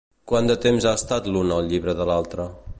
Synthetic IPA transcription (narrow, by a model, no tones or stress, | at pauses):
kwand̪ət̪emzaəst̪at̪lunəlˠʎiβɾəðəlalˠt̪ɾə